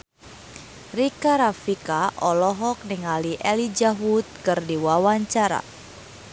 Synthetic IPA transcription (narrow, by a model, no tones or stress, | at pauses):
rikaɾafikaʔɔlɔɦɔk̚niŋaliʔɛlid͡ʒaɦut̪̚kɨrdiwawaɲt͡ʃaɾa̰